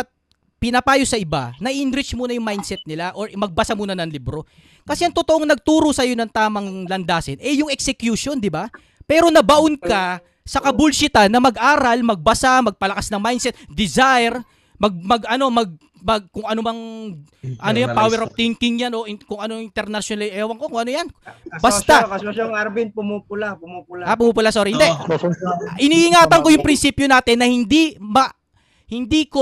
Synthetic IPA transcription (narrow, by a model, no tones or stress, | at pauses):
ʔɐt̪̚ | pɪnɐpaːjosɐʔɪba̰nɐʔiʔɪnɾɪt͡ʃmuːnɐjʊŋmajnsɛt̪̚nɪlaʔo̞ɹmɐɡ̚bɐsamuːnɐnɐŋlibɾo̞ | kɐsɛʔɐŋt̪ot̪o̞ʔoŋnɐɡ̚t̪uːɾosɐjo̞nɐŋt̪aːmɐŋlɐnd̪aːsɪnʔɛjʊŋɛksɛkjuʃo̞nd̪ɪba | pɛːɾo̞nɐbɐʔonkɐ | sɐkɐbulʃɪt̪anːɐmɐɡʔaːɾɐlmɐɡ̚bɐsamɐɡ̚pɐlɐkasnɐŋmajnsɛt̪̚d̪ɪzajɾ | mɐɡ̚mɐɡɐno̞mɐɡ̚ | mɐɡkʊŋɐnobɐŋ | ʔɐnojanpaːwɛɾɐf̚t̪ɪŋkɪŋɲano̞ʔɪkʊŋʔɐnoŋʔɪnt̪ɛɾnɐʃjonalɪʔɛːwɐŋko̞kʊŋɐnojanbɐsaɐooŋaɾbinpʊmuːpʊlapʊmupʊlaʔapʊmuːpʊlasoɾihɪnd̪ɛ | ʔɪniʔɪŋaːt̪ɐŋko̞jʊŋpɾɪnsiːpjonaːt̪ɪnːɐhɪnd̪imɐ | hɪnd̪iko